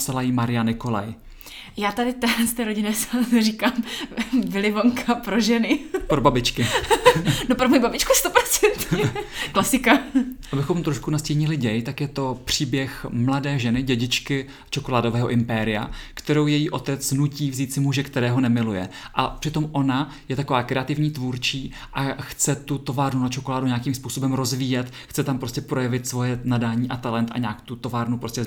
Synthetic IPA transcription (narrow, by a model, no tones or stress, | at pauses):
psalajimaɾɪjanɪko̞la̰j | jaːt̪adɪt̪ɛːlɛnst̪ɛːɾoɟɪnɛsariːkaːmvɪlɪvoŋkʰapɾoʒɛnɪpɾobabɪt͡ʃkɪ | nopɾomojibabɪt͡ʃkust̪opɾot͡sɛnt̪ɲɛklasɪkaabɪxo̞mt̪ɾoʃkunascɛjɲɪlɪɟɛjt̪akjɛt̪o̞pr̝̥iːbjɛxmladɛːʒɛnɪɟɛɟɪt͡ʃkɪ | t͡ʃo̞kolaːdo̞vɛːɦo̞ʔɪmpɛɾɪja̰kt̪ɛɾo̞wjɛjiːʔo̞t̪ɛt͡snuciːvziːt̪t͡sɪmuʒɛkt̪ɛɾɛːɦo̞nɛmɪlujɛʔapr̥ɪt̪o̞mʔo̞na | jɛt̪ako̞vaːkɾɛat̪ɪvɲiːt̪vuːɾt͡ʃiː | ʔaxt͡sɛt̪ut̪o̞vaːɾnunat͡ʃo̞ko̞laːduɲaːkimspuːsobɛmɾo̞zviːjɛt̪ | xt͡sɛt̪ampɾo̞scɛpɾo̞jɛvɪt̪svo̞jɛnadaːɲiːʔat̪alɛnt̪ʔa̰ɲaːkt̪ut̪o̞vaːɾnupɾo̞scɛ